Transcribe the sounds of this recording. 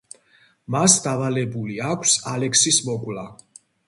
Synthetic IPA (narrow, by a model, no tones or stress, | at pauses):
masd̪avalɛbuliakʰsalɛksismɔkʼla